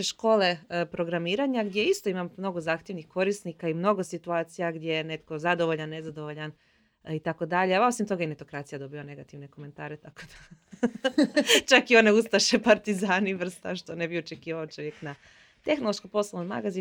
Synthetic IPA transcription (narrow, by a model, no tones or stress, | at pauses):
eʃko̞ːle̞pɾo̞ɡɾamiːɾaɲaɡd̪je̞ist̪o̞imammno̞ɡozaːxt̪jenixko̞ɾisnikaimno̞ɡo̞sit̪uaːt̪sijaɡd̪je̞jene̞t̪ko̞zad̪o̞ʋoʎanːe̞zad̪o̞ʋoʎan | it̪ako̞d̪aʎeaʋao̞simt̪o̞ɡajene̞t̪o̞kɾat̪sijad̪o̞biane̞ɡat̪iʋne̞ko̞me̞nt̪aːɾet̪ako̞d̪̥a | t͡ʃakioneust̪aʃe̞paɾt̪izaːniʋr̩st̪aʃt̪o̞nebiot͡ʃe̞kiːʋaot͡ʃo̞ʋjekna | t̪e̞xnolˠoʃkopo̞slˠonoma̰ɡazi